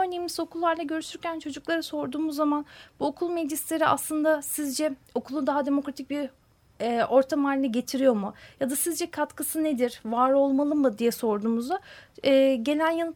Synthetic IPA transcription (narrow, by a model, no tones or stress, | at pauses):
ø̞ɾne̞jimizo̞kʰulˠːaɾlˠaɟø̞ɾyʃyɾcʰænt͡ʃʰo̞d͡ʒuklˠaɾaso̞ɾd̪uːmuzːamanbuokʰulˠmed͡ʒislʲe̞ɾiʔa̰slˠɯnd̪asizd͡ʒɛo̞kʰulˠud̪aɦad̪e̞mo̞kɾat̪ʰic̚biɾ | ɛːʔo̞ɾt̪ʰamaːlʲinɛɟe̞t̪ʰiɾijo̞ɾmujad̪asizd͡ʒɛkʰat̪kʰɯsɯned̪iɾvaːɾo̞lˠmalˠɯmːɯd̪ijɛso̞ɾd̪uːmuzaɛːɟe̞lʲænjanɯ